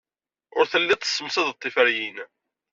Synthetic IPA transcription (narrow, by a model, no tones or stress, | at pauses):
ʊɾθəlːit̪ˤːə̥sːəmsæðt̪ˤːifæɾjin